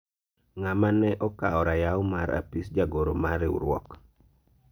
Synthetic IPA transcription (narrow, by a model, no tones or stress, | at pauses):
ŋamanɛʔɔkaɔɾajaɔmaɾa̰pisd͡ʒaɡoɾomaɾɪṵɾwɔ̰k